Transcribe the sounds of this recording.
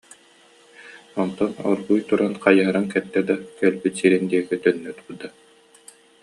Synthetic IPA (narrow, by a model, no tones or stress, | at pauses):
ɔnt̪ɔnɔ̰ɾbujt̪uɾanqajaːɾaŋkɛt̪ːɛd̪akœlbyt̪siɾind̪iɛkit̪œnːœt̪bud̪a